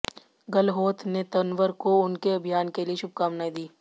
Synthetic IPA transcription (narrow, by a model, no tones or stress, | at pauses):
ɡɐlɦoːt̪ʰnet̪ɐnʋəɾkoʊnkeɐbʱijaːnkelieʃʊb̚kaːmnaːid̪iː